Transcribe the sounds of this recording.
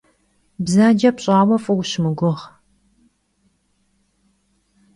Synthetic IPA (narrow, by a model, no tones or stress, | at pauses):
bzaːd͡ʒɐpɕʼaːwɐfʼɨwɕmɨɡʷʊʁ